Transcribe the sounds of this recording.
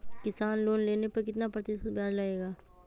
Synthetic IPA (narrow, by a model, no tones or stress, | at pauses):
kɪsaːnloːnleːnepɐɾkɪt̪napɾət̪ɪsʊt̪bʱjaːd͡ʒlaeːɡaː